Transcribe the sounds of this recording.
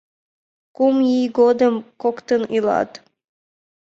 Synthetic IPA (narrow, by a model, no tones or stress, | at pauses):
kumjijɡod̪əmkokt̪ənilˠɑ̰t̪